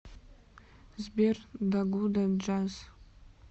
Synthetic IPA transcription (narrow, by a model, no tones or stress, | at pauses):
zberdaɡʷudad͡ʒaz